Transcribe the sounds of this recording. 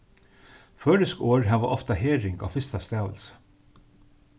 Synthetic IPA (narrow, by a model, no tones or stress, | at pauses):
fœːɾəskoːɹɦaʋaʔɔft̪aɦeːɾɪŋɡa̰ːwfɪst̪ast̪æːʋə̰lsə̥